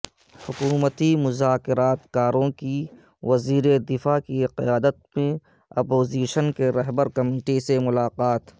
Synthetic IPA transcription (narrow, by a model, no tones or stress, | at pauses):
hʊkuːmət̪imʊzaːkɪɾaːt̪kaːɾõki | ʋɐziːɾed̪ɪfaːkiqɪjaːd̪ət̪̚mẽ | ɐpoːziːʃənkeɾɐɦbəɾkɐmiːʈisemʊlaːqaːt̪